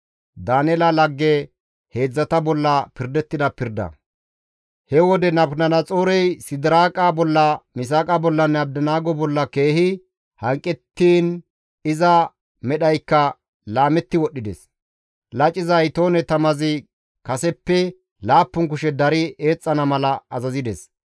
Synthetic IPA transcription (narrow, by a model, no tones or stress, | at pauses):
d̪aːnɛlɐlɐɡːɛ | he̞ːd͡zːɐt̪ɐbɔlːɐpɪɾd̪ɛt̪ːɪd̪ɐpɪɾd̪ɐ̰ | hɛwɔd̪ɛnɐbnɐnɐt͡sʼoːɾɛjsɪd̪ɪɾaːkʼabɔlːɐmɪs̬aːkʼabɔlːɐnːɛɐb̚d̪ɐnaːɡɔbɔlːɐke̞ːhɪ | hɐŋkʼːɛt̪ːiːn | ɪzɐ | mɛɗɐjkːɐ | laːmɛt̪ːɪwɔɗːɪd̪ɛ̰s | lɐt͡ʃʼːɪzɐjt̪o̞ːnɛt̪ɐmɐzɪ | kɐsɛpːɛ | laːpːʊŋk̬ʊʃɛd̪ɐɾɪe̞ːt͡sʼːɐnɐmɐlɐɐzɐzɪd̪ɛs